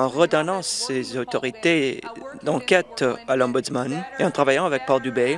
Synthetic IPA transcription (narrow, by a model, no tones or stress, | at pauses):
ɑ̃ʁəd̪ɔnɑ̃ssezot̪ɔʁit̪ed̪ɑ̃kʲɛt̪alɔ̃but̪smaneɑ̃t̪χavajɑ̃avɛk̚pɔʁd̪ybe